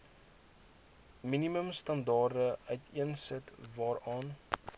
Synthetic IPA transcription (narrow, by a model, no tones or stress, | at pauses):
miniməmstɐndɑːrdəʔœɥtʰiənsɛtvɑːɾɑːn